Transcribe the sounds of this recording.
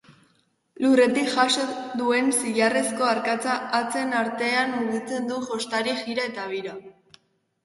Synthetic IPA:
lure̞t̪ikʝasod̪ue̞nsiʎare̞sko̞aɾkat͡saːt͡se̞naɾt̪e̞anmuɣit͡se̞nd̪uʝo̞st̪aɾiʝiɾae̞t̪aβ̞iɾa

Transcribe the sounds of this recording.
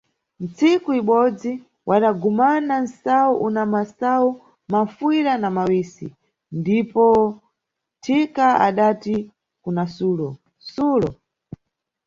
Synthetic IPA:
n̩t͡sʰikuiɓɔd͡zi | wʔaɗaɡumanansauʔunamasau | mafiɾanamawiːsḭ | ndipɔ | tʰikaa̰ɗati | kunasuːlɔ | suːlɔ

